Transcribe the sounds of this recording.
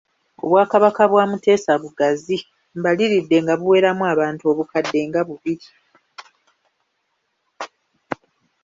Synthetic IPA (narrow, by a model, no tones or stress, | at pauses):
o̞̰βwaːkaβakaβwaːmute̞ːsaβuɡazi | mbaliɾidːe̞ŋɡaβuwe̞ːɾamuaːβaːntuo̞ːβukadːe̞ŋɡaβuβiɾi